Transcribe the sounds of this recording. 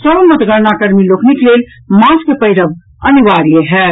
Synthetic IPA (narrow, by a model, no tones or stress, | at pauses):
sələmːət̪ɡəɾnakəɾmilokniklel | maskepəɪɾəb | əniʋaɾijəɦɛ